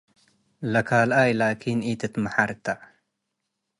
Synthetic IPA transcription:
lɐkʰaːlaːjlaːkʰiːniːt̪et̪mɐħaɾt̪a

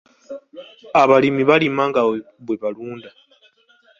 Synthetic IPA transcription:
aβalimiβalimaŋɡa | βwe̞βaluːnda

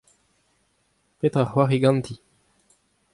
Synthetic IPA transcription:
pet̪ʁaχwaʁiɡɑ̃nt̪ʰi

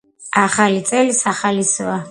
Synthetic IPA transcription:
aχalit̪sʼɛlisaχalisɔa

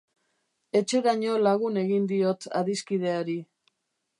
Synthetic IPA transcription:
e̞t͡ʃe̞ɾaɲo̞laɣune̞ɣind̪io̞t̪a̰ðiskið̞e̞aɾi

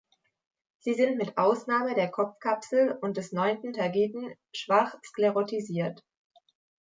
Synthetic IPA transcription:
z̥iːzɪntmɪtʔaʊsnaːmədeːɐkʰɔp͡fkʰapsl̩ʊnt̚d̥ɛsnɔʏntn̩tʰaɐɡiːtn̩ | ʃv̥aχskleʁotʰiziːɐt

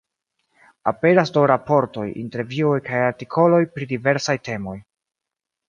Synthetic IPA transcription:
ape̞ɾasdowɾapo̞ɾto̞jḭnte̞ɾviojkajaɾtikʰo̞lo̞jpɾidive̞ɾsajte̞mo̞j

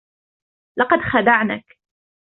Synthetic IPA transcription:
lɑqɑd̪xad̪aʕnak

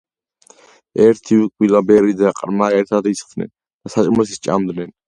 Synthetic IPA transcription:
ɛɾt̪ʰiwɛkʼwilabɛɾid̪aqʼɾmaɛɾt̪ʰad̪isχdnɛ̰n | d̪̥asat͡ʃʼimɔs̬ist͡ʃʼa̰md̪nɛn

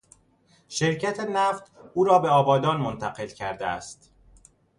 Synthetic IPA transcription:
ʃe̞ɾcʰæt̪ʰenæft̪uːɾɒːbe̞ɒːbɒːd̪ɒːnmont̪ʰæɢe̞lcʰæɾd̪eæ̰st̪

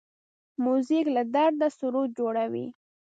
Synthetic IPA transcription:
muziklad̪aɾd̪asʊɾut̪̚d͡ʒoɽawḭ

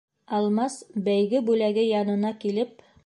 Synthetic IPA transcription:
ɑlˠmɑsbæjɡɘbʉlæɡɘjɑnɤ̆nɑkilɘp̚

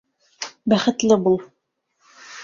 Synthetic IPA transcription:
bæχɘ̆t̪lɘbulˠ

